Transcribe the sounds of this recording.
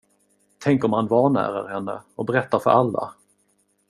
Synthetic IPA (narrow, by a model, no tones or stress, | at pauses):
t̪ʰɛŋkɔmhanvɑːɳæ̰ːɾa̰ɾhɛnːə̰ɔbɛɾɛt̪ːaɾfœ̰ɾʔalːa̰